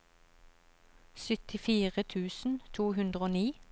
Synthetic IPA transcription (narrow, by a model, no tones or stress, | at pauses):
sʏt̪ɪfiːʁət̪ʰʉːsn̩t̪ʰuːhʉnd̪ʁəoːniː